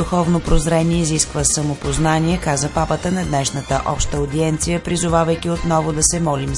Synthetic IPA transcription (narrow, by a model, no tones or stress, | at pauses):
ʊxɔvnopɾozɾɛniɛiziskvəsəmopoznaniɛkazəpapət̪ənɐd̪nɛʃnət̪əʔɔpʃt̪əod̪iɛnt̪sijəpɾizʊvavəjkiot̪nɔvʊd̪ɐsɛmɔlim